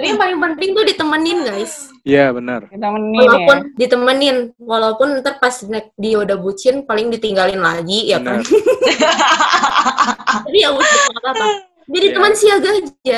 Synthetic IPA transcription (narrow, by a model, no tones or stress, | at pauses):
apiaŋpalɪŋpənt̪ɪŋt̪ʊdit̪əmənɪnɡaɪs | jabənərawalapʊndit̪əmənɪnwalaupʊnt̪ərpasɲak̚diodabut͡ʃɪnpalɪŋdit̪iŋɡalɪnlaɡijak̪a | t̪apijamust̪ɪslapa | d͡ʒadit̪əmənsiaɡad͡ʒa